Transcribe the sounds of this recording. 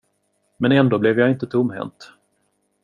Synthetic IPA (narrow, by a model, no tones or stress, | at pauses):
mɛnɛnd̪oːblɛvjɑɪnt̪ət̪ʰʊmːhɛ̰nt̪